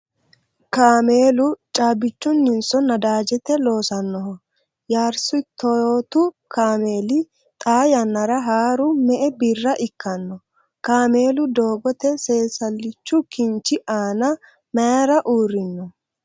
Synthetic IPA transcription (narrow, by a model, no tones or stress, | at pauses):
kaːmeːlʊt͡ʃʼaːbɪt͡ʃːʊnːɪnsɔnɐd̪aːd͡ʒɛt̪ɛlo̞ːsɐnːɔɦɔ | jaːɾsʊt̪ːɔoːt̪ʊ | kaːmeːlɪ | t̪ʼaːjɐnːɐɾɐɦaːɾʊmɛʔɛbɪrːɐʔɪkːɐnːɔ | kaːme̞ːlʊd̪o̞ːɡɔt̪ɛse̞ːsɐlːɪt͡ʃːʊkɪnt͡ʃːɪʔaːnɐ | mɐjɐɾɐʔuːrːɪnːɔ